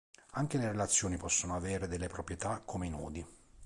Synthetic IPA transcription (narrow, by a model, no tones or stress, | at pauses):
aŋk̟eleɾelat̪sːjoːnipɔsːonoavɛːɾed̪elːepɾopɾjet̪akʰːomeinɔ̰ːd̪i